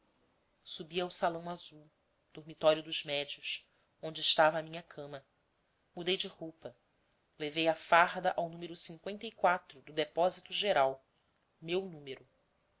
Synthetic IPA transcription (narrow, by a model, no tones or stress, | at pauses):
subiawsalɐ̃w̃azuw | d̪̥oɾmit̪ɔɾjʊd̪ʊzmɛd͡ʒiʊs | õnd͡ʒɪːʃt̪avɐːmĩɲɐkʰɐ̃mɐ | mud̪ejd͡ʒɪhowpɐ | levejafaɦd̪ɐʔawnũmeɾʊsĩŋkwẽnt̪ɐikwat̪ɾʊd̪ʊd̪epɔzit̪uʒeɾaw | mewnũmeɾʊ